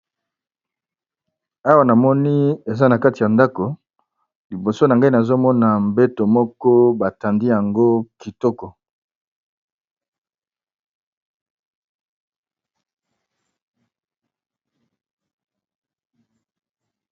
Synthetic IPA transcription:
a˦wa˨na˨mɔ˦ni˦e˨za˦na˨ka˦ti˨ja˨nda˦ko˨ | li˨bo˨so˦na˨ŋɡa˦i˦na˨zo˦mɔ˦na˨mbe˦to˨mɔ˦kɔ˦ba˨ta˨ndi˦ja˨ŋɡo˦ki˨tɔ˦kɔ˨

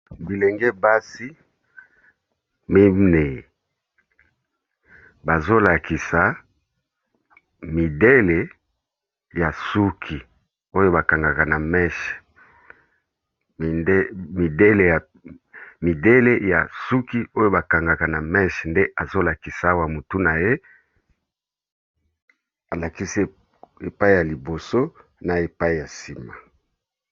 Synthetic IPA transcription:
bi˨le˨ŋɡe˦ba˦si˦ | mi˦ne˨ | ba˨zo˦la˨ki˨sa˨ | mi˨de˦le˨ | ja˨su˦kʰi˨ | o˦jo˦ba˨ka˨ŋɡa˨ka˨na˨mɛ˦ʃ | mi˨de˦le˨ja˨ | mi˨de˦le˦ja̰˨su˦ki˦o˦jo˦ba˨ka˨ŋɡa˨ka˨na˨mɛ˦ʃnde˦ʔa˨zo˦la˨ki˨sa˨˦wa˦mo˨tu˦na˨je˦ | a˨la˨ki˦s | e˨pa˦i˦ja˨li˨bo˨so˦ | na˨e˨pa˦i˦˨ja˨si˨ma˨

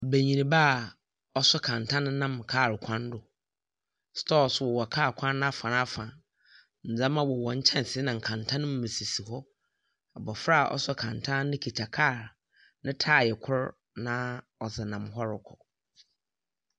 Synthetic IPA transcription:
be˨ɲĩ˨nĩ˨baː˦˨ | ɔ˦sʊ˦kʰã˨ntʰã˦nɪ̃˦nːã˦˨m˨kʰaː˦˨ɾkʷʰã˦n˦dʊ˨ | stɔː˦sʊ˦wɔ˨wɔ˨kʰaː˦˨kʰʷã˦ñː˦a˦fã˨na˦fã˨ | n̩˨d͡zã˦mã˦wɔ˨wɔ̃˨ɲ̩˦t͡ɕʰɛ̃˦n˨sɪ˦nã˨ŋ̩˨kʰã˨ntʰã˦nʊ̃˦m˨mɪ̃˨si˨si˨hɔ˦ | a˨bɔ˨fɾa˦˨ʔɔ̰˦sʊ˦kʰã˨ntʰã˦nɪ̃˦kʰi˨tʰa˨kʰa˦˨ɾ | nɪ̃˦tʰaː˦˨jɛ˨kʰʊ˦ɾ | nã˦ | ɔ˨sɛ˨nã˨mɦɔ˦ɾʊ˨kʰɔ˨

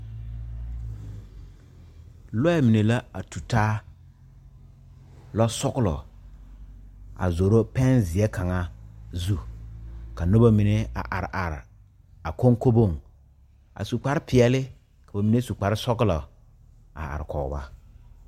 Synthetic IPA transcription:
lɔ˦ɛ˦˨mi˨ne˨la˦a˨tu˨taː˦ | lɔ˦sɔ˦klɔ̰˨ | a̰˨zo˨ɾo˦pɛ˦nzɪ˨ɛ˦ka˨ŋa˦zu˦ | ka˨no˦ba˦mi˨ne˦a̰˨ʔa̰˨ɾɪ˨ʔa˨ɾ | a˨ko˦ŋko˦bo˦˨ŋ | a̰˨su˨k͡pa˨ɾɪ˦pɪ˨ɛ˨lɪ˦ | ka˨ba˨mi˨ne˦su˨k͡pa˨ɾɪ˦sɔ˦kɪ˦lɔ˨ | a̰˨a̰˨ɾɪ˨kɔː˨˦ba̰˦

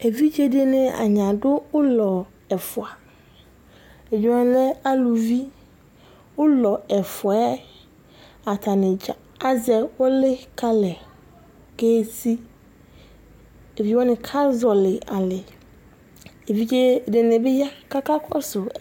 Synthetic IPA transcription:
e˨vi˦d͡ʒe˦de˦nɪ̃˨a̰˨ɲã˨dʊ˦ʊ˦lɔ˨ | ɛ˨fʊ˨a˨ | e˨d͡ʑu˨wã˨n˦lɛ˦a˦lu˨vi˦ | wʊ˦lɔ˨ɛ˨fʊ˨ɛ˦ | a˨tʰa˨nɪ̃˨ | a˦zɛ˨wɔ˦lɪ˦kʰa˦lɛ˨ | ke˦˨tʰi˦ | e˨vi˨wɔ̃˦nɪ̃˨kʰa˦zɔ˨lɪ˨a˨lɪ˨ | e˨vi˦d͡ʒe˦˨de˨nɪ̃˨bɪ˦ja˦ka˦kʰa˦kʰɔ˦sʊ˨

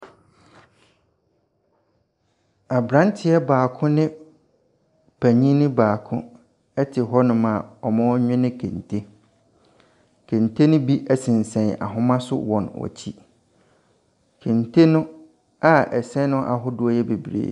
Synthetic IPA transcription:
a˨bɾã˦n˦tʰɪ˦ɛ˦baː˨kʰʊ̃˦nɪ̃˦ | pʰæ˨ɲĩ˦nɪ̃˦baː˨kʰʊ̃˦ | ɛ˦tʰɪ˨ɦɔ˦nʊ̃˦mã˨ɔ˨mã˦ɔ˦ɲᶣɪ̃˦nɪ̃˦kʰḛ̃˨ntʰe˦ | kʰẽ˨ntʰe˦nʊ̃˦bi˦ʔɛ˨sɪ̃˨n˨sɛ̃˨na̰˨ɦʊ̃˦mã˦sʊ̰˦wɔ̃˨nɔ̰˨t͡ɕʰi˦ | kʰẽ˨ntʰe˦nʊ̃˦ | a˦ɛ˨sɛ̃˦nʊ̃˦ʔa̰˨ɦʊ˦dʊ˦ɔ˦jɛ˦be˨bɾḛː˨

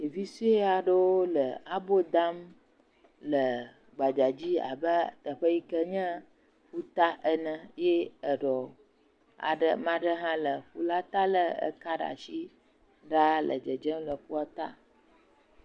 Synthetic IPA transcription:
e˨vi˦su˦e˦a˨ɖə˦wo˦lə˨a˦bo˦d̪a˦m | lə˨ | ɡ͡ba˨d͡ʒa˨d͡ʑi˦a̰˨bə˦t̪ə˨ɸə˦ji˦kə˦ɲɛ̃˦ | ɸu˦t̪a˦ʔə˦nə̃˦je˦ə˨ɖɔ˨ | a̰˨ɖə̰˦mã˦ɖə˦ɦã˦lə˨ɸu˦la˦t̪a˦lə˦ə̰˦ka˦ɖa̰˨ʃi˦ | ɖa˦lə̰˨d͡ʒə˨d͡ʒə˦mlə˨ɸu˦a˦t̪a˦

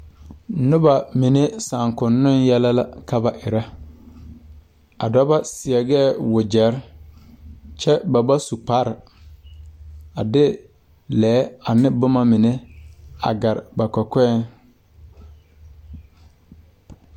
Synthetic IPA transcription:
nʊ˦ba˨mi˨ne˦sa˨ŋkʊ˨nːʊ˦njɛ˦la˦la˦ka˦ba˨ʔɪ˨ɾa˦ | a̰˨da˦ba˦sɪ˨ɛ˨ɡɛː˦˨wʊ˨d͡ʒɛ˨˦ɾ | t͡ʃɛ˦ba˨ba˦su˨k͡pa˦ɾɪ˨ | a˨dɪ˦ | lɛː˨˦a˨nɪ˦bʊ˦ma˦mi˨ne˦a̰˨ɡa˨ɾɪ˨ba˨kɔ˨kɛ˦n

